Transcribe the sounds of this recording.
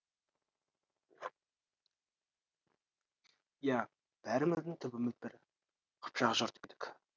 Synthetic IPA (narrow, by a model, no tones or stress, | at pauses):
ja | b̥æɾɪmɪzd̪ɪŋt̪ʰʏbɪmɪðbɪɾ | qʰʊ̥pʃɑʁɑʒoɾt̪kʲed̪ɪ̥kʲ